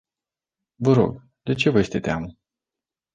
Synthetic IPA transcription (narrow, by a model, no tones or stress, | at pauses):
vəɾo̞̰ɡ | d̪̥e̞t͡ʃe̞vəje̞st̪e̞t̪eamə